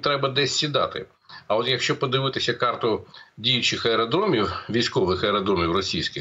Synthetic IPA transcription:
t̪ɾɛbɐd̪ɛsʲːid̪ɑ̰t̪ɪ̰ | ɐɔt̪jɐkʃt͡ʃɔpɔd̪ɪʋɪt̪ɪsʲɐkɑrt̪ʊdʲijʊt͡ʃɪxɐɛɾɔd̪ɾɔmʲiwʋʲijsʲkɔʋɪxɐɛɾɔd̪ɾɔmʲiwrɔsʲijsʲkʲɪx

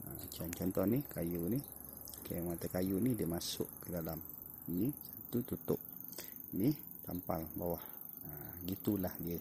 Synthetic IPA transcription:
ə̰t͡ʃant͡ʃɔnt̪ɔnikajuni | kajmat̪əkajunidiəmasʊ̰ʔkədalam | inisat̪ut̪ut̪ʊ̰ʔ̚ | ni | t̪ampa̰lbawah | əɡit̪ulahdiə

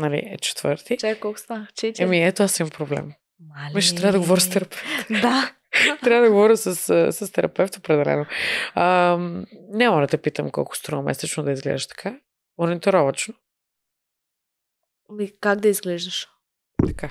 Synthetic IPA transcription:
nɐlḭɛt͡ʃɛ̥t̪və̰ɾt̪it͡ʃakkɔlˠkʊ̥st̪ant͡ʃɛɛmiɛt̪oasimɐmpɾoblɛ̰m | malmiʃɛt̪ɾavəd̪ɐɡovɔɾst̪ɛɾɐpʰɛft̪d̪a | t̪ɾavəd̪ɐɡovɔɾʲisɐsəsɐst̪ɛɾɐ̰pɛft̪opɾɛd̪ɛlɛ̰noəmnɛmɔʒɛd̪ɐpit̪əmkɔ̰lˠkʊ̥st̪ɾomɛ̰sɛt͡ʃnod̪ɐizɡlɛ̰d̪əʃt̪ɐ̥kʰa | moɾɛnit̪iɾɔvɐt͡ʃno | mikaɡd̪ɐizɡlɛʒd̪ɐʃ | t̪ɐ̥ka

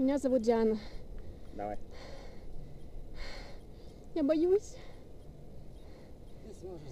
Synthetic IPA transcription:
mʲɪnʲazɐvut̪̚dʲanɐ | d̪ɐʋa̰j | jabɐjusʲ

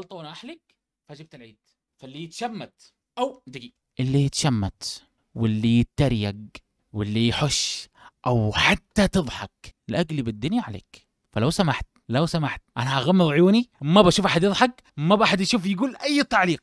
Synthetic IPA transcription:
ʔɑlt̪ˤɑwnʔaħlak̚ | faʔd͡ʒɪb̚t̪alʕiːd̪̥ | falːijɪt̪ʃamːat̪ | ʔawd̪ɪɡi | ʔɪlːijɪt̪ʃamːat̪ | wɪlːit̪ːaɾjaɡ | wɪlːijħʊʃː | ʔawħat̪ːat̪ɨðˤħɑklɪʔaɡlibɪd̪ːʊnjaʕalḛːk | falawsamaħt̪̚ | lawsamaħt̪̚ʔanaʔaɣamːɪðˤʕjuːnimabaʃuːfʔaħad̪jɨðˤħɑk | mabaːħad̪jaʃuːfjɪɡuːlʔajːt̪aʕliːq̚

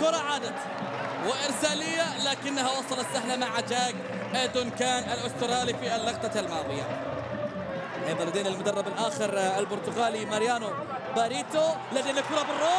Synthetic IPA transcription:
kʊɾˤɑʕaːd̪at̪ | wɪʔɪɾsaːlɪjːalaːkɪnːaɦawɑsˤɑlɑtsaħlamaʕʕad͡ʒaːɡ | ʔad̪ʊnkaːnalʔʊst̪ɪɾɑːlifialːɑɣt̪ˤaalmɑːðˤɨja̰ | ʔebalad̪iːnɪlmʊd̪ɑrˤːɑbalʔaːxɪɾɪlbʊɾt̪ʊɣaːlimaɾjaːnʊ | baːɾiːt̪olad̪iːnakʊɾˤɑbɪrːoː

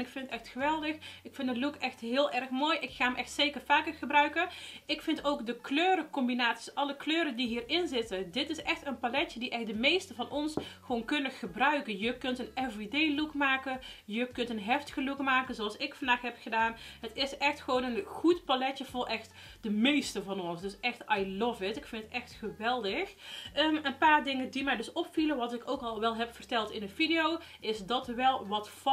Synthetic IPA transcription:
ɪkfɪnətɛxtxəʋɛlˠdəxɪkfɪndəlukɛxtɦɪːlˠʔɛrɹxmoːjʔɪkxaːmʔɛxtseːkərfaːkərχəbrœɥkəɪkfɪntowkdəkløːɾəkɔmbinaːtsi̥sʔɑləkløːɾədiɦiːrɪnzɪtəndɪtɪsɛxtənpalɛtədiʔɛxt̚dəmejstəvɑnʔɔnsxəʋoːnkɵnəχəbrœɥkənjəkɵntənɛfideːlukmaːkəjəkɵntənɦɛftə̥ɣəlukmaːkənzoɑlˠsɪkfɑndaːxɦɛpχədaːnɦətɪsɛxtxəʋownənχutpalɛtəvʊːɹʔɛxt | d̥əmejstəvɑnɔnsdɵsɛxtajlɔvɪtɪkfɪntətɛxtχəʋɛlˠdəxəmənpaːrdɪŋəndimɛjdɵsɔpfiləʋɑtɪkowkɑlˠʋɛlˠɦɛpfərtɛlˠtɪnəvidiowʔɪsdɑtʋɛlˠʋɑtf

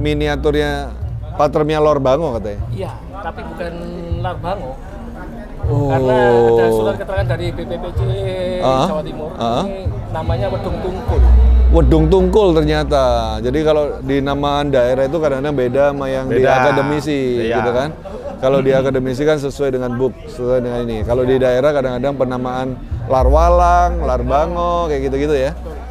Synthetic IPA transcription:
miniat̪ʊrɲapat̪ərmialorbaŋokat̪aɲaija | t̪apibukan | lɔrbaŋo | okaasuakət̪əɾaŋandaɾipepepet͡ʃeəɦawat̪imʊrəɦənamaɲawədʊŋt̪uŋkʊlwədʊŋt̪uŋkʊlt̪ərɲat̪ad͡ʒadikalodinamaːndaeɾait̪ukadaŋkadaŋbedamajaŋdiakadəmisiɡit̪ukan | kalodiakadəmis̬ikans̬əsuajdəŋanbʊk̚səsuajdəŋaninikalodidaeɾahkadaŋkadaŋpənamaːnlarwalaŋlarbaŋɔkajaɡit̪uɡit̪uja

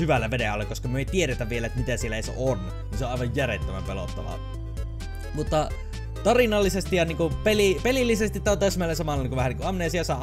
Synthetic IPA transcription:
yʋælːæʋedeɑlːekoskɑmyøeˑit̪ieɾet̪æʋʋielæet̪æmit̪æsielæeˑisḛon | niːseoʔɑˑiʋɑjjærḛt̪ːømæ̰mpelo̰t̪ːɑ̰ʋɑ̰ | mut̪ːɑ | t̪ɑrinɑlːisest̪ijjɑniːŋkupelipelilːisest̪it̪t̪æt̪æˑsmæˑlːesɑmɑlːˑɑnːiŋkuʋæhæniːŋkuɑmːnesiɑsɑˑʔ

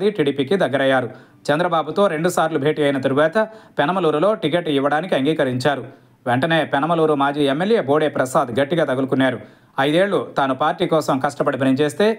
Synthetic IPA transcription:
d̪iʈiːɽiːpiːkid̪ɐɡːɐɾɐjːaːɾu | t͡ʃɐnd̪ɾɐbaːbut̪o̞ːɾe̞ɳɖusaːɾlubʱe̞ːʈiːɐjinɐt̪ɐɾuʋaːt̪ɐpɛnɐmɐluːɾulo̞ːʈik̬eʈiʋːɐɽaːnikiɐŋɡiːkɐɾiɲt͡ʃaːɾu | ʋeɳʈɐne̞ːpɛnɐmɐluːɾumaːd͡ʒiːemːelje̞ːboːɽeːpɾɐsaːd̪ɡɐʈːiɡaːt̪ɐɡulukunːaːɾu | ɐjd̪e̞ːɭːut̪aːnupaːɾʈiːkɔːsɐmkɐʂʈɐpɐɽibʱɐnɐɲt͡ʃe̞ːst̪e̞ː

